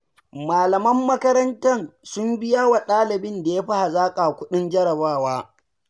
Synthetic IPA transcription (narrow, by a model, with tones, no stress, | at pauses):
maː˨lɐ˨mɐ˦mːɐ˦kɐ˦ɾɐ˦ntɐ˦˨nsʊ˦mbɪ˦jaː˦wa˨ɗaː˦lɪ˨bɪ˦nda˨ja˦ɸa˦ha˨zaː˦kʼa˨kʷʊ˦ɗɪ˦nd͡ʒɐ˦ɽɐ˨baː˦˨waː˦